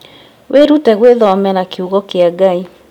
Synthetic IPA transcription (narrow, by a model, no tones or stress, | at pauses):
weɾutɛɣweðɔmɛɾakeuɣɔkeaɡai